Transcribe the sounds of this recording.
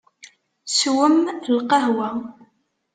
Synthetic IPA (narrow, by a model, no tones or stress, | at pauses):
swəmlqɑɦwæ